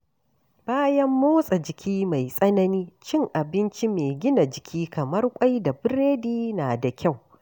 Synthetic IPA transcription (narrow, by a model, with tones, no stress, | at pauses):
b̥aː˦jɐ˦mːoː˦sʼa˨d͡ʒɪ˨kʲʰiː˦ma˨jsʼɐ˦nɐ˦niː˦t͡ʃɪ˦ŋʔa˨bɪ˦nt͡ʃi˦meː˨ɡʲɪ˦na˨d͡ʒɪ˨kʲiː˦kɐ˨mɐ˦rkʷʼa˦jda˨bɪ˦ɾeː˦diː˦naː˨da˨kʲa˦˨w